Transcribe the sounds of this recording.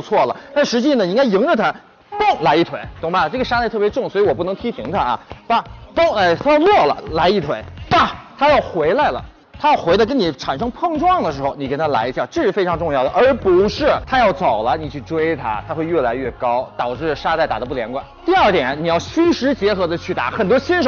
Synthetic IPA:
t͡sʰwɔ˥˩lə̰˩t̪a˥˩nʂɻ̩˧˥t͡ɕi˥˩nə˩i˥ŋka˥ɪji˧˥ŋʈ͡ʂə˧t̪ʰa˥ | p̪ʊ˥˩ŋla˧˥ɪi˥˩t̪ʰwe˧˥ɪt̪wʊ˧˥ŋba˧˩˧ʈ͡ʂɤ˥˩ɡə˩ʂa˥t̪a˥˧ɪt̪ʰɤ˥˩pjɛ˧˥ʈ͡ʂʊ˥˩ŋswɔ˧˥i˧˥wɔ˨˩pu˥˩n˧˥ŋt̪ʰi˥pʰi˧˥ŋt̪ʰa˥ɐ̰˩ba˧˩t̪o˥˩ŋa˥˩t̪ʰa˥jɑ˥˧ʊlwɔ˥˩lə̰˩la˧˥ɪi˥˩t̪ʰwe˧˥ɪba˥˩t̪ʰa˥jɑ˥˩ʊxwe˧˥ɪla˧˩ɪlə̰˩ | t̪ʰa˥jɑ˥˩ʊxwe˧˥ɪlə˧kə˥ni˨˩ʈ͡ʂʰa˨˩nʂɤ˥ŋpʰɤ˥˧ŋʈ͡ʂwɑ˥˩ŋd̪ə˩ʂɻ̩˧˥xo˧ʊni˨˩ke˧˥ɪt̪ʰa˥la̰˧˥ɪi˧ɕja˥˧˩ʈ͡ʂɤ˥˧ʂɻ̩˥˩fe˥ɪʈ͡ʂʰɑ˧˥ŋʈ͡ʂʊ˥˧ŋjɑ˥˩ə˩ʔə˞˧˥pu˧˥ʂɻ̩˥˩t̪ʰa˥jɑ˥˩ʊt͡so˨˩ʊlə˦ni˨˩t͡ɕʰy˥˩ʈ͡ʂwe˥ɪt̪ʰa̰˥t̪ʰa˥xwe˥˧ɪɥɛ˥˩la˧˥ɪɥɛ˥˩kɑ˥ʊt̪ɑ˨˩ʊʈ͡ʂɻ̩˥˩ʂa˥t̪a˥˩ɪt̪a̰˨˩d̪ə˦pu˥˩ljɛ˧˥nkwa̰˨˩˦nt̪i˥˧ə˞˥˩t̪jɛ˨˩˦nni˨˩jɑ˥˩ʊɕy˥ʂɻ̩˧˥t͡ɕjɛ˧˥xɤ˧˥d̪ə˧t͡ɕʰy˥˩t̪a̰˧˥xə˨˩nt̪wɔ˥ɕi˥nʂ

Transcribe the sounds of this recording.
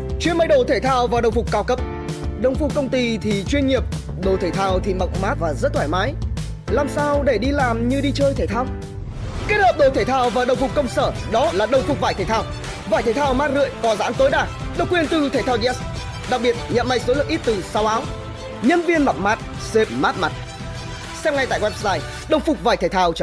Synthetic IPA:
t͡ɕwi˧˥ənmə˧jɗo˧˩t̪ʰe˧˩t̪ʰaː˧˩wvaː˨˩ɗə˨˩wŋ͡mfʊ˨˩k͡pkaː˨˦wkə˧˥p̚ | ɗə˨˩wŋ͡mfʊ˨˩k͡p̚kːə˧wŋ͡mt̪i˧t̪ʰi˨˩t͡ɕwi˧ənɲi˨˩əp̚ | ɗo˨˩t̪ʰe˧˩t̪ʰaː˧˩wt̪ʰi˨˩mə̰˧˨wŋ͡mmaː˦˥t̚vaː˨˩zə˦˥t̪ʰwaː˧˩jmaː˨˦j | laː˨˩msaː˧wɗe˧˩ɗi˧laː˨˩mɲɨ˧ɗi˧t͡ɕəː˧jt̪ʰe˧˩t̪ʰaː˧w | ke˦˥t̚həː˨˩p̚ɗo˧˩t̪ʰe˧˩t̪ʰaː˧˩wvaː˨˩ɗə˨˩wŋ͡mfʊ˨˩k͡p̚kə˧wŋ͡msəː˧˩ɗɔ˨˦laː˨˩ɗə˨˩wŋ͡mfʊ˨˩k͡p̚vaː˧˩jt̪ʰeː˧˩t̪aː˧w | vaː˧˩jt̪ʰe˧˩t̪ʰːwmaː˦˥t̚ɣɨ̰˧˨əjkɔ˨˦za̰ː˧˥nt̪o˨˦jɗaː˧˩ | ɗə˨˩wk͡pkːwi˧˩ənt̪ɨ˨˩t̪ʰe˧˩t̪ʰaː˧wzɛ˦˥s | ɗa˨˩k̚ɓi˨˩ət̚ɲə̰˧˨nma˧jso˨˦lɨ˨əkʔi˦˥t̚t̪ɨ˨˩sa˨˦wʔaː˨˦w | ɲə˧nvi˧ənma̰˧˨wŋ͡m̚maː˨˦˥t̚ | se˨˩p̚maː˦˥t̚ma˨˩t̚ | sɛ˧mŋ͡mŋa˨˩jt̪a̰ː˧˨jkwɛ˦˧˥zaː˧˩j | ɗə˨˩wŋ͡mfʊ˨˩k͡p̚vaː˧˩jt̪ʰe˧˩jt̪ʰaː˧˩wt͡ɕ

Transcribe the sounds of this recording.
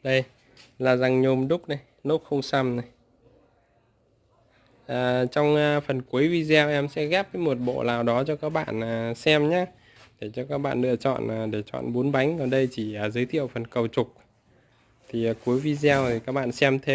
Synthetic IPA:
ɗə˧j | laː˨˩za˨˩ŋɲo˨˩mɗʊ˦˥k͡p̚na˨˩j | no˦˥p̚xə˧wŋ͡msa˧mna˨˩j | ʔaː˨˩t͡ɕɔ˧wŋ͡mfə˨˩nku˨˦əjvi˧zɛ˧wʔɛ˧msɛ̰˧˥ɣɛ˦˥p̚əː˨˦jmo˨˩t̚ɓo̰˧˨laː˨˩wɗɔ˨˦t͡ɕɔ˧kaː˦˥k̚ɓa̰ː˧˨naː˨˩sɛ˧mɲaː˨˦ | ɗe˧˩t͡ɕɔ˧kaː˦˥k̚ɓa̰ː˧˨nlɨ̰˧˨ət͡ɕɔ̰˧˨nː˨˩ɗe˧˩t͡ɕɔ̰˧˨nɓo˨˦nɓa˨˦jŋ̟kɔ˨˩ɗə˧jt͡ɕi˧˩aː˨˩zəː˨˦t̪ʰḭ˧˨ə˨wfə˨˩nkə˨˩wt͡ɕʊ˨˩k͡p̚ | t̪ʰi˨˩˨ku˨˦əjvi˧zɛ˧wt̪ʰi˨˩kaː˦˥k̚ɓa̰ː˧˨nsɛ˧mt̪ʰe˧m

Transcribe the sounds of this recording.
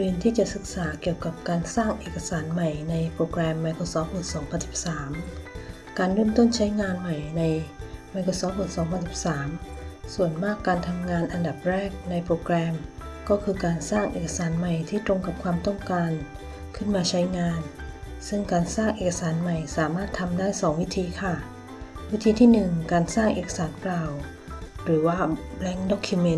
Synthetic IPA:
dɯː˧nt̪ʰiː˥˩t͡ɕa˨˩sɯ˨˩k̚saː˩˦ki˨˩əwka˨˩p̚kaː˧nsaː˥˩ŋʔeː˨˩ka˧saː˩˦nma˨˩jna˧jpɾoː˧kɾɛː˧mːa˧jkʰoː˧sɔː˩˦˥p̚mɯː˨˩sɔː˩˦ŋpʰa˧nsi˨˩p̚saː˩˦m | kaː˧nɾuː˥˩˨mt̪o˥˩nt͡ɕʰa˦˥jŋaː˧nma˨˩jna˧jma˧jkʰoː˧sɔː˦˥p̚mɯː˨˩sɔː˩˦ŋpʰa˧nsi˨˩p̚saː˩˦msu˨˩ənmaː˥˩kːaː˧nt̪ʰa˧mŋaː˧nʔa˧nda˨˩p̚ɾɛː˥˩k̚na˧jpʰɾoː˧kɾɛː˧mkɔː˥˩kʰɯː˧kaː˧nsaː˥˩ŋʔeː˨˩ka˧saː˩˦nma˨˩jt̪ʰiː˥˩t̪ɾo˧ŋka˨˩p̚kʰwaː˧mt̪ɔ˥˩ŋkaː˧n | kʰɯ˥˩nmaː˧t͡ɕʰa˦˥jŋaː˧n | sɯ˥˩ŋkaː˧nsaː˥˩ŋʔeː˨˩kːa˧saː˩˦nma˨˩jsaː˩˦maː˥˩t̪ʰːa˧mdaː˥˩jsɔː˩˦ŋwi˦˥t̪ʰiː˧kʰa˥˩ | wi˦˥t̪ʰiː˧t̪ʰiː˥˩nɯ˨˩ŋkaː˧nsaː˥˩ŋʔḛː˨˩ka˧saː˩˦nklaː˨˩w | ɾɯː˩˦waː˥˩lɛ˦˥ŋdɔː˦˥˩kʰːu˧me˧˥˩

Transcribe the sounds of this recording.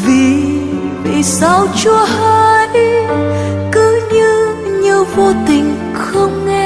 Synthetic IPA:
vi˨˩ | ɓə̰˧˨sa˧wt͡ɕu˧əhəː˧j | kɨ˨˦ɲɨ˧ | ɲɨ˧vo˧t̪ï˨˩ŋ̟ | xə˧wŋ͡mŋɛ˧

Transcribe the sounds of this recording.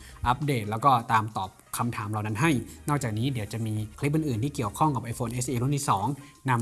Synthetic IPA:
ʔa˦˥p̚deː˨˩t̪̚lɛː˦˥wkɔː˥˩t̪aː˧mt̪ɔː˨˩p̚kʰa˧mt̪ʰaː˩˦mɾa˨˩wna˦˥nɦa˥˩jnɔː˥˩k̚t͡ɕaː˨˩k̚niː˦˥di˩˦wt͡ɕa˨˩miː˧kʰli˦˥p̬̚ʔɯː˨˧˩nʔɯː˨˩nt̪iː˥˩ki˨˩əwkʰɔ˥˩ŋka˨˩p̚ʔa˧jfʰoː˧nʔe˦˥sʔiː˧ɾu˥˩˨nt̪i˥˩sɔː˩˦ŋna˧m

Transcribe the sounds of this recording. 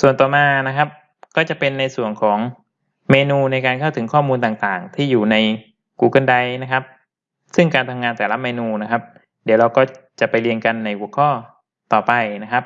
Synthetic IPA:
su˨˩ənt̪ɔː˨˩maː˧na˦˥kʰa˦˥p̚ | kɔː˥˩t͡ɕa˨˩pe˧nːa˧jsu˨˩ənkʰɔː˩˦ŋ | meː˧nuː˧na˧jkaː˧nkʰa˥˩wt̪ʰɯ˩˦ŋkʰɔː˥˩muː˧nt̪aː˨˩ŋt̪aː˨˩ŋt̪ʰiː˥˩juː˨˩na˧j | kuː˧kɤ˧˥˩nda˧jna˦˥kʰa˦˥p̚ | sɯ˥˩ŋkaː˧nt̪ʰa˧mŋaː˧nt̪ɛː˨˩˦la˦˥meː˧nuː˧na˦˥kʰa˦˥p̚ | di˨˩˦wɾa˧wkɔː˥˩ | t͡ɕa˨˩pa˧jli˧ənka˧nːa˧jʔu˨˩ə˦kʰɔː˥˩ | t̪ɔː˨˩pa˧jna˦˥kʰa˦˥p̚

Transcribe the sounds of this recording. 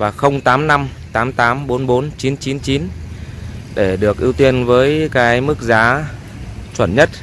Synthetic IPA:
vaː˨˩xə˧wŋ͡mt̪aː˨˦mna˧mt̪aː˨˦mt̪aː˨˦mɓo˨˦nɓo˨˦nt͡ɕi˨˦nt͡ɕi˨˦nt͡ɕi˨˦n | ɗe˧˩ɗɨ˨˩ək̚ʔi˧wt̪i˧ənvəː˨˦jkaː˨˦jmɨ˦˥k̚zaː˨˦ | t͡ɕwə̰˧˩nɲə˦˥t̚

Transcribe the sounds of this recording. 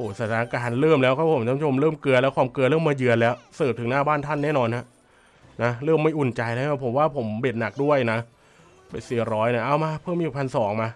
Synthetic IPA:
hoː˨˩sa˨˩t̪ʰaː˧˩a˧kaː˧nɾɤː˥˩mlɛː˦˥wkʰaː˧˥˩pʰo˩˦mt͡ɕʰaː˧˥˦t͡ɕʰo˧mɾɤː˥˩mkɯ˧əlɛː˦˥wkʰwaː˧mkɯ˧tlɤː˥˩˨mːaː˧jɯ˧ənlɛː˦˥wsɤː˨˩p̚t̪ʰɯ˩˦ŋnaː˥˩baː˥˩nt̪ʰa˥˩nːɛː˥˩nɔː˧nha˦˥ | na˦˥ɾɤː˥˩mːa˥˩jʔu˨˩nt͡ɕa˧jaː˦˥˩aː˧˩pʰo˩˦mwaː˥˩pʰo˩˦mbeː˨˩t̪̚na˨˩k̚du˥˩əjna˦˥ | pa˧˩jsi˨˩əɾɔː˦˥jna˧˩ʔaː˧˩wmaː˧pʰɤː˥˩mːiː˧pʰpʰa˧nsɔː˩˦ŋmaː˧

